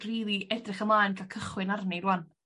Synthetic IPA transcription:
riːlˠiʔɛdrɪχəmlˠaːjnkʰakʰəχwɪnarnejɾwan

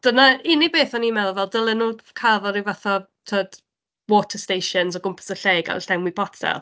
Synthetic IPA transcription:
d̥ənaɪnibeːθɔnimɛðvɛlˠdəlˠənuːkʰavɔɾivaθɔ | tʰəːd̥ | wɔtʰəstejʃənzɔɡʊmpʰə̥səɬeːɡa̰lɬdɛmwibʰɔtʰɛ̰lˠ

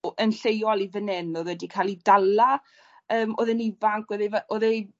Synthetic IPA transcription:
ʔənɬejɔlˠivənɛnɔðwɛdikʰalˠidalˠa | əːmo̰ðənɪvaŋkʰwɛðevaʔoðej

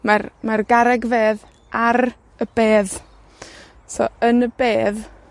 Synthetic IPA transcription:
marmarɡaɾɛɡveːð | aɾ | əb̥eːð | so̰ənəbeːð

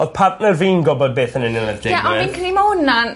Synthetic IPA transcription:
oð̥pʰartnərviːnɡɔbɔd̚beːθənɪnɪlˠənd̥ɪjaʔɔinkʰənimaʊnan

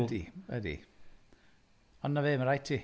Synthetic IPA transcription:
diwɛ̰dḭ | ɔnːaveːməɾajtʰi

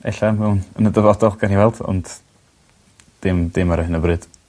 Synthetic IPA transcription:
ɛɬamɛwnənədəvɔdɔlˠɡaniwɛlˠd̥ɔ̰nd̥ | d̥ɪmdɨmaɾɔhɪnəbrɨd̥

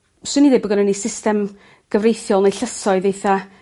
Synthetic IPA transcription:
swɪniðebəɡənənisɪstɛm | ɡ̥əvrejθjɔlˠnejɬəsɔɨðejθa

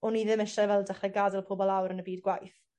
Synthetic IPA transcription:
ɔniðɪmɪʃɛvɛlˠdaχrɛɡadɪlˠpʰoːbɔlˠawɾənəbiːdɡwajθ

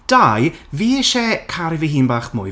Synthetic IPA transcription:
d̥ajviːʃɛkʰaɾɪviɦiːnbaːχmʊ̰j

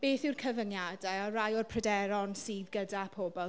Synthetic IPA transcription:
b̥eːθɪwrkʰəvənjadajɔrajɔrpʰrədɛɾɔnsiːðɡədapʰoːbɔ

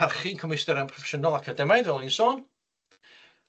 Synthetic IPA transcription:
arχinkʰɔmɪstɛɾənpʰrɔfɛ̥ʃənɔlˠakʰədɛmajðɛlˠinsoːn

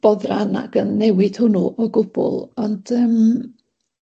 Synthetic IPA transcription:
b̥ɔðrana̰ɡ̥ənːɛwɪd̥hʊnuʔɔɡʊb̥ʊ̰lˠɔnd̥əːm

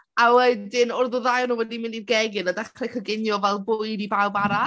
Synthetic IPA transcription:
awɛdɪnʊrðʊðajnuːwɛdimɪninɡɛɡɨnadakʰlˠɛkʰəɡɪnjɔvɛlˠbʊɨdibawbaɾa

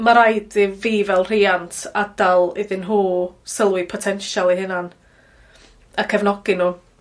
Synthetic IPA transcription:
maɾajdiviːvɛlˠr̥iːantʰadalˠɪðɨnɦuːsəlˠwɪpʰɔtʰɛnʃalˠiɦɪnan | akʰɛvnɔɡɪnuː

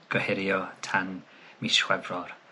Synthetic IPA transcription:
ɡ̥əhɪɾjɔtʰan | miʃwɛvrɔr

